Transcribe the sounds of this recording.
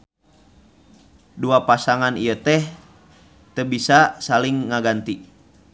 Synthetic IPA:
duapasaŋanijət̪ɛh | t̪əbisasaliŋːaɡant̪i

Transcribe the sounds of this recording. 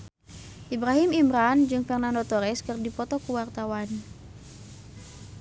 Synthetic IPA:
ʔibɾaɦimimɾand͡ʒɨŋfɛrnandɔt̪ɔɾɛskɨrdipɔt̪ɔkuwart̪awan

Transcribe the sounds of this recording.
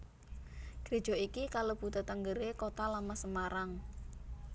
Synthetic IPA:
ɡ̥ɾed̥ʒ̥ɔ̤ikikalob̥ut̪ət̪əŋɡəɾekot̪alamasəmaɾaŋ

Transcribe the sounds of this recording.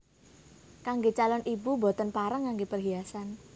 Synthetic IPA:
kaŋɡet͡ʃalɔnʔibubo̤t̪ənpaɾəŋːaŋɡepərɡiasan

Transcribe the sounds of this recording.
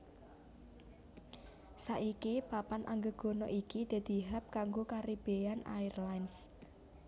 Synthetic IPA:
saʔikipapanʔa̰ŋɡəɡ̥o̤nɔʔikid̪̥e̤d̪̥i̤ɦap̚kaŋɡokaɾib̥eana̰irlajns

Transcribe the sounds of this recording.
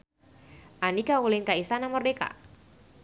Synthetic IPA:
ʔanikawulɪnkaist̪anamɔrdeka̰

